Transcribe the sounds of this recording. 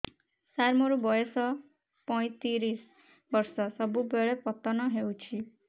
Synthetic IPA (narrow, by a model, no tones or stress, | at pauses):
saɾmɔɾubɔjɔsɔ | pɔj̃t̪iɾis | bɔɾsɔsɔbubeɭepɔt̪ɔnɔɦewt͡ʃʰi